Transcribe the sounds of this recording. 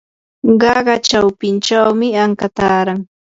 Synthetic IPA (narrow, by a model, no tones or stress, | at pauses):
ɢɑɢɑt͡ʃawpɪnt͡ʃawmɪaŋkat̪aːɾaŋ